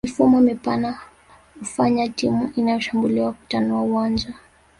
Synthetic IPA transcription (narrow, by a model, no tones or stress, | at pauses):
mifumɔmɛpana | ufaɲatimuʔinajɔʃambuliwaku̥tanuauwand͡ʒa